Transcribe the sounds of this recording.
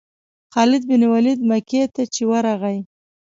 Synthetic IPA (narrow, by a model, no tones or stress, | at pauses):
xɑlɪd̪̚bɪniwalid̪maket̪at͡ʃewaɾaɣaj